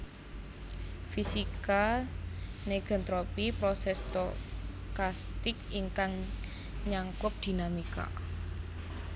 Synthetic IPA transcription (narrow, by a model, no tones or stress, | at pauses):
fisika | neɡ̥ɔ̤nt̪ɾopipɾɔsɛst̪ɔ | kast̪ɪkiŋkaŋ | ɲaŋkʊp̚d̪̥i̤namika̰